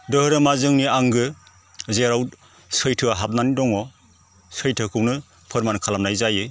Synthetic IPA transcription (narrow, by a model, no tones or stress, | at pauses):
dɯhɯɾɯmazɯŋniaŋɡɯ | zeɾawt̚ | sʰɯjtʰɯaɦap̚nanidɔŋɔ | sɯjtʰɯkʰɯwnɯ | pʰɯɾmankʰalamnajzajɯ